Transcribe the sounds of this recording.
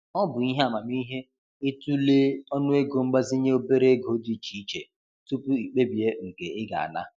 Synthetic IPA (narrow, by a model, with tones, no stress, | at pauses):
ɔ˦bʊ˨i˦ɦe˦a˨ma˨m˦i˦ɦe˦ | ɪ˦tu˦le˦ɔ˦nʊ˦e˦ɡo˨ŋ͡m̩˦ɡ͡ba˦zi˦ɲe˦o˦be˦ɾe˦ɡo˨˦di˦˨t͡ʃi˨i˦t͡ʃe˨ | tu˦pu˦i˨k͡pe˦bi˨e˦ŋ̩˨ke˨ɪ˦ɡa̰˨a̰˨na̰˦